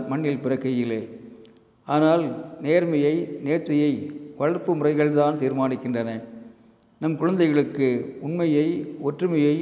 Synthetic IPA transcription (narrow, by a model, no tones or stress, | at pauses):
mɐɳːɪlpɪrɐkːɐjɪlːeː | aːnaːlneːɾmɐjɐɪneːɾt̪ːɐjɐɪʋɐɻɐɾpːɯmʊrɐɪɣɐɭt̪aːnt̪iːɾmaːnɪkːɪndrɐnɐ | nɐmkʊɻɐnd̪ɐɪɣɐɭɯkːɯʊnmɐjɐɪɔʈrɯmɐjɐɪ